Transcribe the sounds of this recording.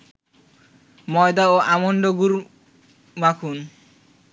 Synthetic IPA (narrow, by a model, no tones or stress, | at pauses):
mɔjd̪aoʔamonɖoɡuɾ | makʰun